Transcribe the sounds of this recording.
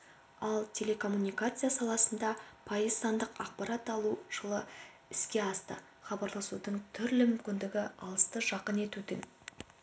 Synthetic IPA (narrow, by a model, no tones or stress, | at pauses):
ɑlˠt̪ʲʰe̞le̞kʰo̞mːunʲijkat̪sɨjasɑlˠɑsənd̪ɑpʰɑjəzt̪ɑnd̪əqɑq̚pɑɾat̪ɑlˠuʒ̥əlˠə | ɪskʲe̞ɑst̪ə̰ | χɑbɑɾlˠɑsud̪əɴt̪ʰʏɾlɪmʏmkʲɪnd̪ɪɡʲɪɑlˠəst̪əʒɑqəne̞t̪ud̪ɪŋ